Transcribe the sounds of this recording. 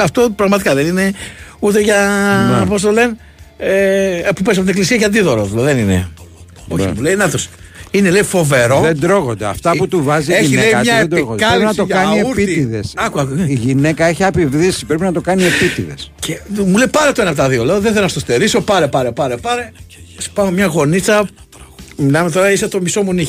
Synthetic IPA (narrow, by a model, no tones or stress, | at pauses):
ɐft̪o̞pɾɐɣmɐt̪ikaðenine̞ut̪eʝɐpos̬t̪olen | epupes̬ɐpot̪inek̬lisiɐceɐnd̪iðoɾoðulðeninḛ | o̞çmuleinɐt̪os | inelejifo̞ve̞ɾo̞ðend̪ɾoɣond̪eɐ̰ft̪ɐput̪uvɐzieinileiɲɐed̪ɾoɣod̪kɐenɐtt̪oʝkɐnieuɾpiiðesɐkuɐiʝine̞kɐeçiɐpivðisipɾepinɐt̪o̞kɐniepit̪iðe̞̰scʰemuleipɐɾet̪oenɐp̬ot̪ɐðio̞leoðeθelonɐst̪ost̪eɾiso̞pɐɾepɐɾepɐɾepɐɾesi̥pɐmemɲɐɣo̞nit͡sɐ | milɐmet̪o̞ɾɐiset̪o̞misomuni